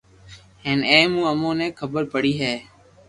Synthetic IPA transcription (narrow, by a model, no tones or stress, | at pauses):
ɦeːnẽːmũːəmõːnẽːkʰəbəɾpəɽiːɦeː